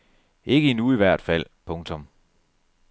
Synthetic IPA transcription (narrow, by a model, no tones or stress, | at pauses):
ʔe̝ɡ̥əinuiʋæɐ̰d̥fæl̰pʰɔ̽ŋt͡sʰɔ̽m